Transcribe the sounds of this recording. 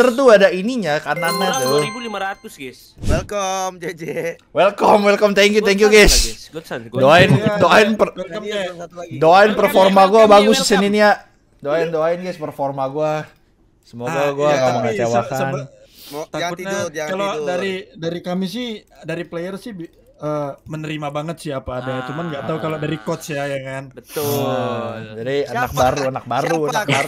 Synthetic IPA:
ərt̪̬uadainiɲakananːat̪ʊlimaɾat̪ʊsɡs | wɛlm | wɛlkɔmwɛlkɔmt̪ɛŋk̬jut̪ɛŋk̬juɡas | doaɪndoaɪnpə | doaɪnpərfɔrmaɡuabaɡʊssəniniaʔ | doaɪndoaɪnɡaspərfɔrmaɡua | səmuaɡaɡuaɡamaŋat̪awakan | kalodaɾidaɾikamis̬ɪhdaɾiplejərsɪh | əːmənəɾimabaŋət̪sɪapaːdajat͡ʃumanɡat̪aukalodaɾikɔt̪sjajaŋanbət̪ | d͡ʒadianak̚baɾuanak̚baɾuanak̚baɾ

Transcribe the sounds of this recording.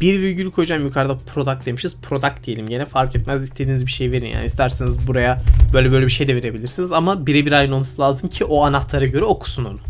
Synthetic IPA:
b̥iɾviɾɟylʲykʰo̞jud͡ʒamjukʰaɾd̪apʰɾo̞d̪ak̚d̪e̞miʃiz̥pʰɾo̞d̪ak̚d̪ije̞lʲimɟe̞nɛfaɾkɛt̪̚mæzist̪ʰed̪iːnizbiʃejive̞ɾinja̰ːnist̪ʰæɾsenizbuɾajabø̞jlʲɛbø̞jlʲebiʃe̞jd̪ɛve̞ɾe̞bilʲiɾsinizamabiɾɛbiɾajno̞lˠmasɯlˠaːzɯmcʰiʔo̞anaht̪lˠaɾaɟø̞ɾɛo̞kʰu̥suno̞̰nu

